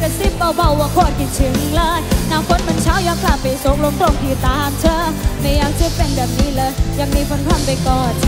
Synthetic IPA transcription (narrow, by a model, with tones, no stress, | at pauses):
ka˧˩si˧˥˩pːa˧˩wba˧˩wwa˧˩kʰoː˧˩˨tki˨˩nt͡ɕʰɯ˨˦ŋlaː˧˥tnaː˧˩wkʰo˧˦˥t̚me˧˨nt͡ɕʰa˦˥˩wjɔ˧˦˥kʰlaː˧˩pa˨˩jso˨˦˥k̚lo˧˥ŋɾo˧˩ŋpʰiː˧˩t̪aː˧˦mt͡ɕʰəː˧˥ma˧˩jaː˧˥k̚t̪ʰɯː˧˩t̚pe˧˨nbɛː˨˩p̚niː˦˥˨lɤː˧˦jja˨˧˩ŋmiː˧kʰo˧˥npʰa˧˩˨npa˧jkɔː˨˩n